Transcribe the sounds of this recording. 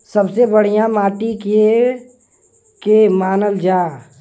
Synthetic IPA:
səbsebəɽ̤ijãmaːʈik | kemaːnəld͡ʒaː

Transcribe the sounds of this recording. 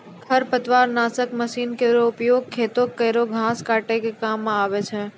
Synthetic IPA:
kʰəɾpət̪ʋaːɾnaːsəkməʃiːnkəɪɾoʊpjoːɡ̚kʰːeːt̪oɡ̚kːəjɾoɡʱãːskaːʈekekaːmːãaːʋet͡ʃʰe

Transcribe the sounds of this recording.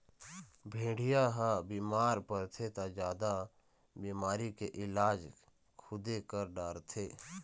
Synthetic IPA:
bʱẽːɽijaɦãbiːmaːɾpəɾt̪ʰet̪ad͡ʒjaːd̪a | biːmaːɾikeʔɪlaːd͡ʒ | kʰʊd̪ekəɾɖaːɾt̪ʰeː

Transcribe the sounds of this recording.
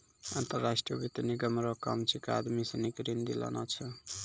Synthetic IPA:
a̰nt̪ʌɾːasʈriʌbit̪eniɡʌmɾokamt͡sʰika̰d̪misʌnikɾind̪ila̰nat͡sʰʌ

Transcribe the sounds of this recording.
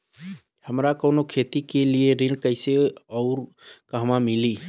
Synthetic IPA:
həmɾakɔːnokʰeːt̪ikelieɾɪ̃lkəɪseɔːɾ | kaɦmãmɪliː

